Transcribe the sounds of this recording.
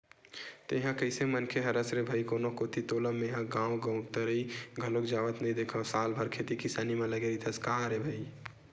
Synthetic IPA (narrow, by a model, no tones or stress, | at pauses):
t̪jɦãkəɪsemənkʰeɦəɾəsɾebʱəjkonokot̪ʰit̪oːləmːeɦãɡãːwɡə̃ʊ̃k̚t̪əɾəiɡʱəlokd͡ʒaʋət̪nəid̪ekʰəsaːlbʱəɾkʰet̪ikisaːnimẽləɡeɾit̪ʰəskaɦãɾebʱəi